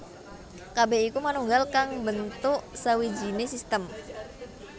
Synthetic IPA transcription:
kabɛikumanuŋɡalkaŋbənt̪ʊʔsawid͡ʒinesist̪əm

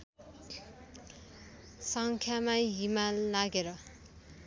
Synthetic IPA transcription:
sʌŋkʰjamajimalaɡeɾʌ

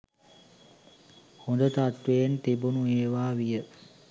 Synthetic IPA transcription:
hond̪ət̪at̪ʋejnt̪ibunueːʋaːʋijə

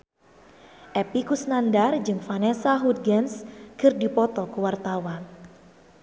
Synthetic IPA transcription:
ʔɛpikusnandard͡ʒɨŋfanɛsaɦut̪̚ɡɛnskɨrdipɔt̪ɔkuwart̪awan

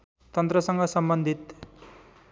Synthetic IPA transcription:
t̪ʌnt̪ɾʌsʌŋɡʌsʌmbʌnd̪ʱit̪

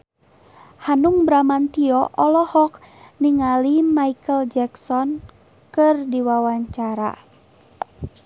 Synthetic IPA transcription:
hanuŋbɾamant̪iɔʔɔlɔhɔk | niŋalimaikəld͡ʒɛksɔn | kɨrdiwawaɲt͡ʃaɾa̰

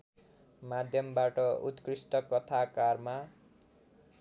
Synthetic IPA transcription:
mad̪ʱjʌmbaʈʌut̪krisʈʌkʌt̪ʰakarma

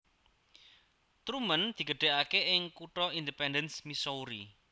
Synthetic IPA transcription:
t̪ɾumənd̪̥i̤ɡ̥ə̤ɖ̥e̤ʔakeʔɪŋkuʈɔindipɛndənsmisouɾi

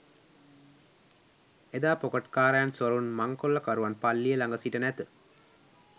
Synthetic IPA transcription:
ed̪aːpɔkɐʈkaːɾaːnsɐɾunmɐŋkolːɐkɐɾuʋɐnpɐlːijɐlɐŋɡɐsiʈːɐnɛt̪ɨ

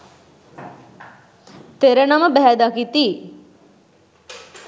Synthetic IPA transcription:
t̪eɾənaməbɛɦæd̪akit̪i

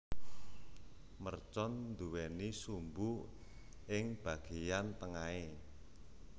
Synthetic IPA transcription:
mərt͡ʃɔnd̪uwɛnisumbu | ɪŋb̥a̤ɡ̥ejant̪əŋae

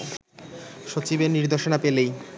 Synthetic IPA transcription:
ʃot͡ɕibeɾniɾd̪oʃonapelej

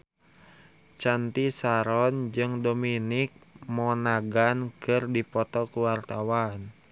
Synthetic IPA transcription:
t͡ʃant̪isaɾɔnd͡ʒɨŋdominɪk̚mɔnaɡankɨrdipɔt̪ɔkuwart̪awan

